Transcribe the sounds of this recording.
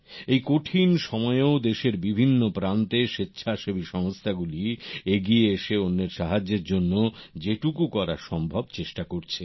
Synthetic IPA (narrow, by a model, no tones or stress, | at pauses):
ejkoʈʰinʃɔmɔeood̪eʃeɾbibʱinːopɾant̪eʃetːɕʰaʃobiʃɔŋst̪ʰaɡulieɡieeʃeonːeɾʃaɦad͡ʑːeɾd͡ʑonːod͡ʑeʈukukɔɾa̰ɾʃɔmbʱɔbt͡ɕeʃʈakoɾt͡ɕʰe